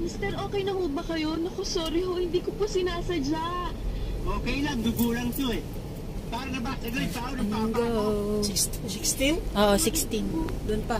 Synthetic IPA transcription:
mɪst̪ɛɾʔo̞ːkɛjnɐhobɐkɐjo̞nɐkosoːɾɪhohɪnd̪iːkoposɪnaːsɐd͡ʒaʔʔoːkɛjlɐŋɡʊɡuːlɐŋk̪oɛ | paːɾɐnɐbaːkɐɡɐɛpaːʔonɐnaɐŋɡaʔoʔo | kst̪inʔoːʔosɪkst̪ɪnd̪ʊnpɐ

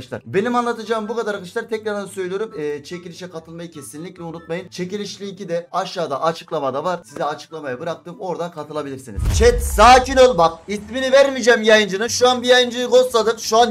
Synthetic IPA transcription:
t͡ʃlˠaɾbe̞nimanlˠat̪ʰɯd͡ʒaːɯmbukad̪aɾakɯt͡ʃlˠaɾt̪ʰɛc̚naansø̞jlʲijo̞ɾumːt͡ʃʰe̞cilʲiʃɛkʰat̪ʰɯlˠmajɯcʲʰe̞sinlʲːicʲlʲɛunut̪̚majɯnt͡ʃʰecilʲiʃlʲiːcid̪ɛaʃːaːd̪aʔat͡ʃʰɯ̥klˠamad̪avaɾsizɛat͡ʃʰɯ̥klˠamajabɯɾak̚t̪ʰɯːmo̞ɾd̪akʰat̪ʰɯlˠabilʲiɾsinḭzt͡ʃʰɛt̪saːcinolˠbakisminivæɾmid͡ʒɛmjajɯnd͡ʒɯnɯʃuanbijajɯnd͡ʒɯjɯɡo̞st̪lˠad̪ɯkʃuan

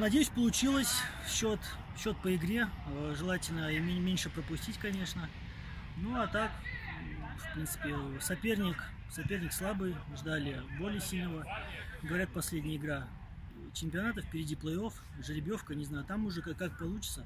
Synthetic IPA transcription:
nɐdʲejʉsʲpəlˠʊt͡ɕilˠəsʲfɕot̪ | fɕːo̞t̪̚pəɪɡɾʲe̞ʐɨlˠatʲɪlʲnəimʲenʲʂɨpɾəpʊsʲtʲitʲkɐnʲe̞ʂnə | nuat̪ak | fpɾʲint̪sɨ̥pʲɪsɐpʲernʲɪk | sɐpʲe̞rnʲɪkslˠabɨjʐd̪alʲɪbo̞lʲɪjəsʲilʲnəvəɡəvɐɾʲat̪̚pɐsʲlʲedʲnʲɪjəɪɡɾa | t͡ɕɪmʲpʲɪɐnat̪əfpʲɪɾʲɪdʲiplˠəjo̞f | ʐɨɾʲɪbʲjo̞fkənʲɪznajʊt̪amʊʐɛkkak̚pɐlˠut͡ɕɪt̪sə

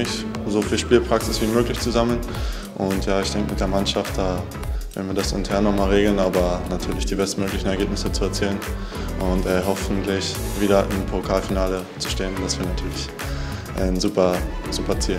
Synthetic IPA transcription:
ɪçzofiːlʃpiːlpʁ̥aksɪsv̥iːmøːklɪçt͡suzaml̩n | ʔʊntjaːɪçd̥ɛŋkəmɪtd̥eːɐmanʃaft̚d̥aː | v̥ɛœ̰dn̩viːɐdasɪ̰ntʰɛɐnːɔχmaːlʁeːɡl̩naːbɐnatʰyːɐlɪçd̥iːbɛstnmøːklɪçn̩ɛɐɡeːpnɪsət͡suɛɐt͡siːlən | ʔʊntɛɦɔfn̩tlɪçviːɾɐʔɪ̰mpʰokʰaːlfinaːlət͡su̥ʃteːənd̥asv̥iːɐnatʰyːɐlɪç | ʔɛnzuːpɐz̥uːpɐt͡siːl

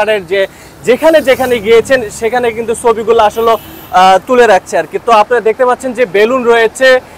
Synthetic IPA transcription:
aɽeɾd͡ʑe | d͡ʑekʰaned͡ʑekʰaneɡijet͡ɕʰenʃekʰanekint̪ut͡ɕʰobiɡulaaʃolo | t̪uleɾak̚ʰt͡ɕʰeaɾkit̪oapnaɾad̪ek̚ʰt̪epat̪ːɕʰend͡ʑebelunɾojet͡ɕʰe

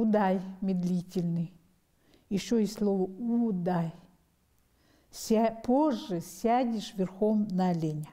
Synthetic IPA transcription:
ud̪ajmʲɪd̪lʲitʲɪlʲnɨj | ɪɕːoisʲlˠovəud̪aj | sʲapoʐːɨsʲadʲɪʂvʲɪrxomnɐlʲenʲɪ

